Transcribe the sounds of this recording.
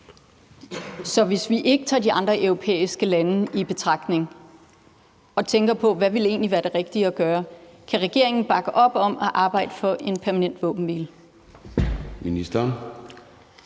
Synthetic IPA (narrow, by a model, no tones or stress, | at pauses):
sɒ̽ʋe̝sʋiʔe̝ɡ̥ət͡sʰɑ̰̈ːdiɑ̈nd̥ʁɐʔœʊʁo̝pʰḛːisɡ̥əlænəib̥e̝t͡sʰʁɑ̈ɡ̥d̥ne̝ŋ | ɒ̽t͡sʰeŋɡ̥ɐpʰɒ̽ʋæʋe̝le̝̰ːnliʋæːɐd̥e̝ʁɛɡ̥̚d̥iəɒɡ̥ɶːɐkʰæʁɛɡ̥e̝̰ɐ̰e̝ŋn̩b̥ɑ̈ɡ̥əʔɒ̽b̥ɒ̽m̰ɒ̽ʔɑ̈ːb̥ɑ̈ɪ̰d̥əfɒ̽ʔe̝npʰæɐmænen̰d̥ʋɔ̰̽ːb̥n̩ʋḭːl | minisd̥ɐ